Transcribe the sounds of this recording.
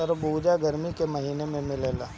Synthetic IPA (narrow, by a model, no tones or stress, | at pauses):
əɾbuːd͡ʒaɡəɾmikemɐɦiːnẽmẽmɪleːlaː